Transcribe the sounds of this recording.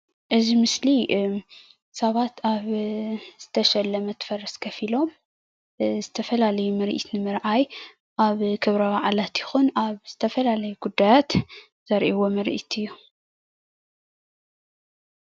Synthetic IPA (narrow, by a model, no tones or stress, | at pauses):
ʔɨzimɨsli | sɐβat̪ʰaβz̥ɨt̪ʰɐʃɐlːɐmɐt̪ʰɨ̥fɐɾɐskʰɐfilo̞m | zɨt̪ʰɐfɐlalɐjumɨɾʔḭt̪nɨmɨɾʔaj | ʔaβkʰɨβɾɐwaʕlat̪jɪxunaβz̥ɨt̪ʰɐfɐlalɐjuɡud̪ːajat̪ | z̥ɐɾʔiwo̞mɨɾʔḭt̪ʰɨjːu